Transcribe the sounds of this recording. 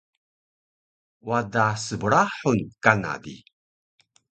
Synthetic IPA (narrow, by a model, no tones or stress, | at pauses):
wadasəbuɾaħunkana̰dḭ